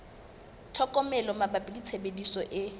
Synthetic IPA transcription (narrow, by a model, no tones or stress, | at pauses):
tʰɔkʼɔmɛlɔmabapʼilit͡sʰebedisɔʔɪ